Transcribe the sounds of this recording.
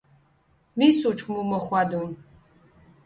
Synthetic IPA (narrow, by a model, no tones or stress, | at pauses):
misut͡ʃʼmumɐχʷaːdum